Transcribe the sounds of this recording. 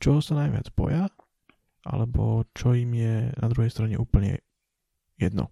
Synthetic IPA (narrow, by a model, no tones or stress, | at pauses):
t͡ʃɔɦɔsanajʋɪa̰d͡zbɔ̰ja | ʔa̰lɛbɔt͡ʃɔiːmjɛnad̪ɾuɦɛjst̪ɾaɲɛ̰ʔuːpl̩ɲɛ̰ | jɛd̪nɔ̰